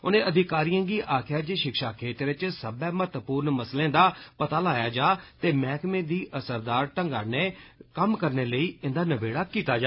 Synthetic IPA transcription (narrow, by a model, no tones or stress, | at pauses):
ʊnẽːʔəd̪ʱɪkaːɾijãːɡiːʔaːkʰjaːd͡ʒeːʃɪkʃaːkʰeːt̪ɾet͡ʃsəbɛːmət̪əpuːɾnməslẽːd̪aːpət̪aːlaːjaːd͡ʒaːt̪eːmɛːkmẽːd̪iːʔəsəɾd̪aːɾʈəŋɡaːneːkəmkəɾneːləiːɪnd̪aːnəbeːɽaːkiːt̪aːd͡ʒa